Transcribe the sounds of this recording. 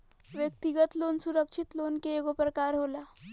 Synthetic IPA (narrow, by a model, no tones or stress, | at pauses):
ʋjək̚t̪iɡət̪lonsuɾəkʂit̪lonkeeɡopɾəkaɾɦola